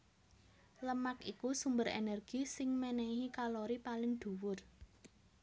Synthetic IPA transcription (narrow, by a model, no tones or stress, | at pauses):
ləmakikusumbəɾḛnɛrɡ̥isɪŋmɛnɛɦikaloɾipalɪŋd̪̥ṳwʊr